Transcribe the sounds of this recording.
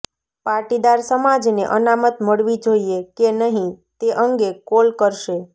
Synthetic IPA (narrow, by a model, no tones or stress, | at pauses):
paɾʈid̪aɾsəmad͡ʒneʔənamət̪məɽʋid͡ʒoiekenəɦĩt̪eʔəŋɡekolkəɾʃe